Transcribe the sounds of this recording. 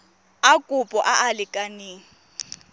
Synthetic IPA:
akʼʊpʼɔʔaʔalɪkʼaneːŋ̩

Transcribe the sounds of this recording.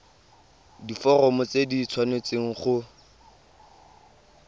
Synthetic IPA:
difɔrɔmʊt͡sedit͡sʰwanet͡seŋ̩χʊ

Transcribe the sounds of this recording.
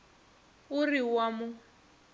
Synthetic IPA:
ʊriwamʊ

